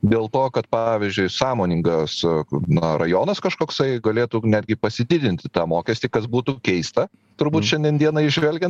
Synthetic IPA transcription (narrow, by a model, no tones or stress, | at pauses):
d̪ʲeːlˠt̪oːkɐt̪pɑʋʲɪzʲd͡ʒʲʊɪsɑːmoːnʲɪŋɡɐsnɐrɐjoːnɐskɐʃkoːksɐɪɡɐlʲeːt̪uːnʲæːd̪ʲɡʲɪpɐsʲɪd̪ʲɪd̪ʲɪnʲt̪ʲɪt̪ɑːmoːkʲɛsʲt̪ʲiːkɐsbuːt̪ukʲɛɪst̪ɐ | t̪ʊɾbuːt̪ʃʲɛnʲd̪ʲiɛnd̪ʲiɛnɐɪʒʲʋʲɛlʲɡʲɛnt̪